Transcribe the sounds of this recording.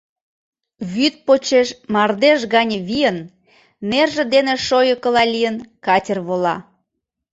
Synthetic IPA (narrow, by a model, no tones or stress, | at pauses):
βyt̪̚pot͡ɕeʃmɑrd̪eʃɣɑnʲəβijənː | erʒĕd̪eneʃojəkəlɑlʲijənkɑtʲərβolɑ